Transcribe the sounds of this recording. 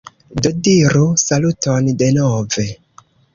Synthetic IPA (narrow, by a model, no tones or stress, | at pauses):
dodiɾusalutonde̞nove̞